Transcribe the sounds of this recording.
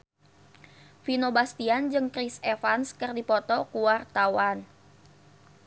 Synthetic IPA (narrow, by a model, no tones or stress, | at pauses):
finobast̪iand͡ʒɨŋkɾisefanskɨrdipɔt̪ɔkuart̪awan